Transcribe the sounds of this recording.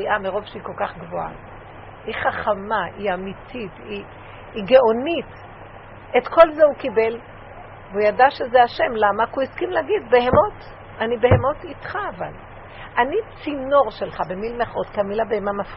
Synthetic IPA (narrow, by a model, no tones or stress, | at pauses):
iʔameʁo̞vʃeiko̞lkaχɡvoa̰ | iχaχamaiamititi | iɡeʔo̞nit | e̞tkʰo̞lzeukibe̞l | veujadaʃezeaʃe̞mlamakuiskimleaɡid̪be̞hemo̞t | anibe̞ɦemo̞tit̪χaːval | ʔanit͡sino̞ʁʃe̞lχabe̞milmeχot̪kamilhabehemamaf